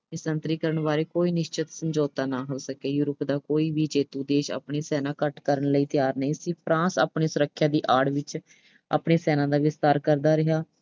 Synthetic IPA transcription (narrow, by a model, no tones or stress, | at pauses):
nɪsənt̪ɾiːkəɾəɳbaːɾeːkoːiːnɪʃt͡ʃɪt̪səmd͡ʒoːt̪aːnaːɦoːsəkeːjuːɾəpd̪aːkoːiːʋiːd͡ʒeːt̪ũːd̪eːʃa̰ːpɳeːsɛːnãːkəʈkəɾəɳləiːt̪ɪjaːɾnəĩsiːpʰɾãːsa̰ːpɳeːsʊɾəkʰːjãːd̪iːʔaːɽʋɪt͡ʃ | a̰ːpɳeːsɛːnãːd̪aːʋɪst̪aːɾkəɾd̪aːɾɪɦaː